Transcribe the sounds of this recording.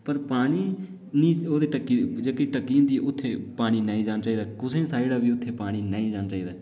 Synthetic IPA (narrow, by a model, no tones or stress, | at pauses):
pəɾpaːɽ̃iː | nĩːoːd̪eːʈəkːiːd͡ʒeːkeʈəkːiːə̃ːd̪iːʔʊt̪ʰːeːpaːɽ̃iːnaːĩːd͡ʒaːnaːt͡ʃaːiːd̪aːkʊsẽːsaːiɽaːbiːʊt̪ʰːeːpaːɽ̃iːnəːĩːd͡ʒaːnaːt͡ʃaːiːd̪aː